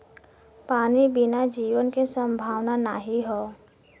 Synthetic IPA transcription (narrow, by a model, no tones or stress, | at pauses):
paːnibɪnad͡ʒiːʋənkesə̃mbʱaːʋnana̰ɦiɦɔː